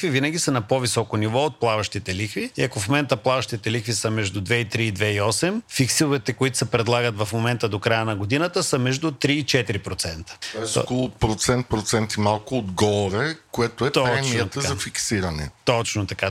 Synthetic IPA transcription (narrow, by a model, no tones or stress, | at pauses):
vivinəɡ̟ʲisɐnɐpovisɔkonivɔot̪̚plˠavɐʃt̪it̪ɛlixviiɐkofmomɛnt̪əplˠavɐʃt̪it̪ɛlixvisəmɛʒd̪ud̪vɛit̪ɾiːd̪vɛiɔsɛmfiksilˠvɛt̪ɛkoit̪ʊ̥sɛpɾɛd̪lˠaɡət̪vɐfmomɛnt̪əd̪okɾajənɐɡod̪inət̪əsəmɛʒd̪ʊt̪ɾiːt͡ʃɛt̪iɾipɾot̪sɛnt̪ə̥ɔɛskolˠʊpɾot̪sɛnt̪̚pɾot̪sɛnt̪imalˠkʊːd̪ɡɔɾɛkoɛt̪oɛpt̪ɔt͡ʃmiət̪əzaɐfiksiɾɐnɛ̰t̪ɔt͡ʃnot̪ɐka